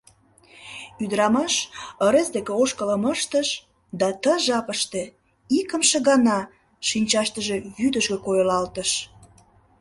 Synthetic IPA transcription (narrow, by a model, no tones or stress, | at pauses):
yd̪əɾɑmɑʃə̆ɾesd̪ekeoʃkələməʃt̪əʃ | d̪ɑt̪əʒɑpəʃt̪e | ikə̆mʃeɣɑnɑ | ʃinʲt͡ɕɑʃt̪əʒe̽jyd̪əʃɣĕkojəlɑlt̪əʃ